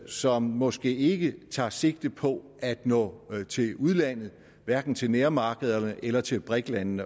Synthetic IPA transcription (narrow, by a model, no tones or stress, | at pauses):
sɒ̽mmɒ̽sɡ̥e̝̰ːe̝ɡ̥ət͡sʰɑ̈ːse̝ɡ̥̚d̥pʰɒ̽ | æd̥nɔ̰̽t͡sʰe̝luð̞ˠlæn̰ð̞̩ˠ | ʋæɐɡ̥n̩t͡sʰe̝lneɐmɑ̈ːɡ̥əð̞̩ˠɐnəʔelɐt͡sʰe̝lb̥ʁɛɡ̥lænnə